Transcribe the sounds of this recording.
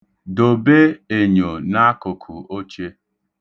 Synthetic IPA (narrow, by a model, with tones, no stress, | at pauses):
do˨be˦e˨ɲo˨na˦a˦kʊ˨kʰʊ̰˨o˦t͡ʃe˦